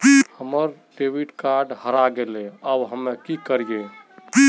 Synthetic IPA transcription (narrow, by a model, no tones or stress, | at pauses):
həməɾ | ʈeʋiʈkaɾɖhəɾaɡeleabɦəmːekikəɾije